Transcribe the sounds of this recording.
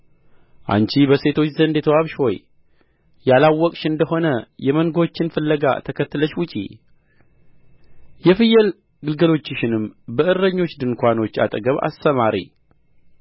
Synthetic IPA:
ʔa̰nt͡ʃibəse̞t̪ʰo̞t͡ʃːzənd̪ɛt̪ʰəwaβʃho̞j | jalawːɔkʼʃɨnd̪əho̞nəjɛmənɡo̞t͡ʃːɪnfɨlːəɡa̰t̪ʰəkʰət̪ːləʃwʊt͡ʃʼḭ | jɛfɨjːɛl | ɡɨlɡəlo̞t͡ʃːɪʃɪnɨmbəʔɨɾːəɲːo̞t͡ʃːd̪ɨŋkʷano̞t͡ʃːa̰t̪ʼəɡəβa̰st̪əmaɾḭ

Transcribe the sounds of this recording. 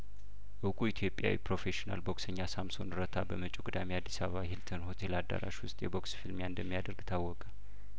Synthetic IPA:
ʔɨwkʼuit̪ʰjo̞pʼja̰wḭpɾo̞fe̞ʃina̰lboksəɲːasamso̞̰nɨɾət̪ʰabəmət͡ʃʼukʼud̪amiad̪ːisaβəβahilt̪ʰənho̞t̪ʰe̞lad̪ːa̰ɾa̰ʃwʊst̪ʼjɛbo̞ksfilmjaɨnd̪əmːijad̪əɾɡt̪ʰawːɔkʼə

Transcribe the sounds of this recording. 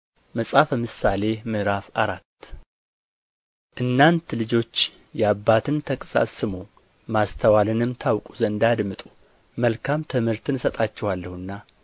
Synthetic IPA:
məsʼafəmɨsale̞mɨɾafaɾat̪ː | ʔɨnːant̪lɨd͡ʒo̞t͡ʃː | jɛabːat̪ʰɨnt̪ʰəkʼsa̰sɨmo | mast̪ʰəwalɨnɨmt̪ʰawkʼuzəɨnd̪ad̪mɨt̪ʼu̥ | məlkʰamt̪ʰɨmhɨɾt̪ʰɨnsət̪ʼat͡ʃːɛhalːəhɨnːa

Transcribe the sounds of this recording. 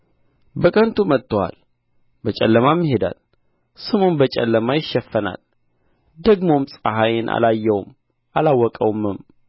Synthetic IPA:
bəkʼənt̪ʰumət̪ːəwa̰l | bət͡ʃʼɛlːəmamːiɦe̞d̪a̰l | sɨmo̞nbət͡ʃʼɛ̰lːəmajɪʃːɛfːəna̰l | d̪əɡmo̞msʼaɦajɪnʔa̰lajːɛwm | ʔalawːɔkʼəwmːɨm

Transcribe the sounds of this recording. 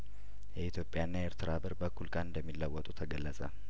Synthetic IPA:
jɛit̪ʰjo̞pʼjanːajeɾt̪ʰɨɾabəɾbəkʰːulkʼanɨnd̪əmːilːəwːət̪ʼut̪ʰəɡəlːəsʼə

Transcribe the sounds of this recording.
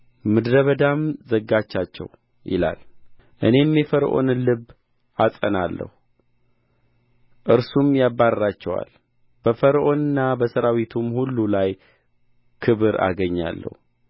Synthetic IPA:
mɨd̪ɾəβəd̪amzəɡːat͡ʃːat͡ʃːɛ̰w | jɪ̰la̰l | ʔɨne̞mːjɛfəɾʔo̞nlɨbː | ʔasʼənalːə̰hu | ʔɨɾsumjabːaɾɾat͡ʃːɛwa̰l | b̥əfəɾʔo̞nɨnːabəsəɾawit̪ʰumhulːulaj | kʰɨβɨɾa̰ɡəɲːa̰lːə̰hu

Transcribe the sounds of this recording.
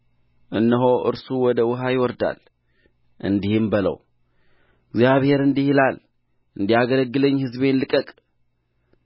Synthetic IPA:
ʔɨnːəɦo̞ʔɨ̰ɾsuwɔd̪əwʊɦajɪwɔɾd̪a̰l | ʔɨ̰nd̪ihɪmbələ̰w | ɡzjaβhe̞ɾɨnd̪ihilal | ʔɨnd̪ijaɡələɡːɨləɲːhɨzβe̞nlɨkʼəkʼ

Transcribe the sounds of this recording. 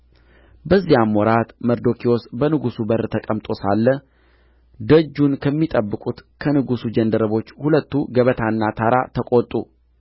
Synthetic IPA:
bəzːijamːwɔɾat̪məɾd̪o̞kʰio̞sbənɨɡusubəɾt̪ʰəkʼəmt̪ʼo̞salːə | d̪əd͡ʒːunkʰəmːit̪ʼəbːɨkʼut̪kʰənɨɡusud͡ʒənd̪əɾəβo̞t͡ʃːhulət̪ːuɡəβət̪ʰaɨnːat̪ʰaɾat̪ʰəkʼot̪ʼːṵ

